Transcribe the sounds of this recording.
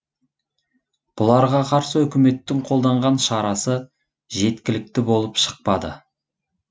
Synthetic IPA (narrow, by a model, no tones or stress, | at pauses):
b̥ʊlˠɑɾʁɑqʰɑɾsəɵkʲɪme̞t̪ːɪŋqʰo̞lˠd̪ɑɴʁɑnʃɑɾɑsə | ʒe̞t̪kʲɪlɪk̚t̪ɪbo̞lˠəpʃə̥q̚pɑd̪ə̰